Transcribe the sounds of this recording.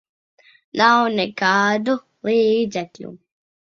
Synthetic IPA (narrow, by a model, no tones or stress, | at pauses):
nawnɛkaːd̪u | lˠiːd̪zɛklʲṵ